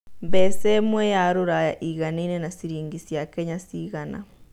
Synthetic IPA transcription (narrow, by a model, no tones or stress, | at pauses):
βɛsɛmwɛjaɾoɾajaʔiɣaneinenasiɾiːŋɡisjakɛɲasiːɣana̰